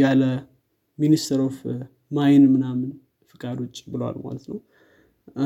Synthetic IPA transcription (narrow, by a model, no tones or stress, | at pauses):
alə | minist̪ʰəɾof | majɪnmɨnamɨn | fɨkʼad̪o̞t͡ʃʼːbɨləwa̰lma̰lət̪nəw